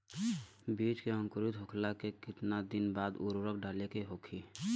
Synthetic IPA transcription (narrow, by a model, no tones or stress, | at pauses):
biːt͡ʃkeə̃ŋkʊɾɪt̪ɦokʰlakekɪt̪nad̪ɪnbaːd̪ṵɾoɾək̚ɖaːlekeɦokʰiː